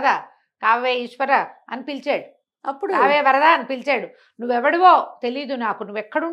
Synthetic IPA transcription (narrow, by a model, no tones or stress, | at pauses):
d̪aː | kaːʋeːiʂʋɐɾɐɐnipilt͡ʃeːɽu | ɐpːuɽkaːʋeːʋɐɾɐd̪aːɐnipilt͡ʃeːɽu | nuʋːɛʋɐɽiʋoːt̪e̞liːd̪unaːkunuʋːɛkːɐɽuɳ